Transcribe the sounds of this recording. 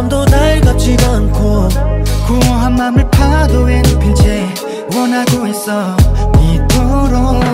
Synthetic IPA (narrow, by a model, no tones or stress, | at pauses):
mdonaɭɡap̚t͡ɕʰiɡankʰo | kuɦamːamɯɭpʰadoenɯpʰit͡ɕʰe | wʌnɦaɡoes͈ʌmitʰoɾo